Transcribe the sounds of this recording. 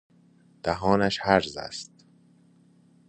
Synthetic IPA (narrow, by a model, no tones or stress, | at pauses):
d̪̥æɦɒːnæʃhæɾzæ̰st̪